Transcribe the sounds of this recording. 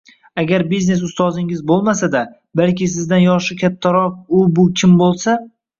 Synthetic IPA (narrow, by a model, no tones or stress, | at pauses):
aɡʲaɾbizne̞s̬ʊst̪ɒzɪŋɪzbolˠmasad̪a | balkʲɪsɪzd̪anjɒʃɪkʲʰat̪ʰːaɾɒq̚ʊbʊkʲʰɪmbolˠsa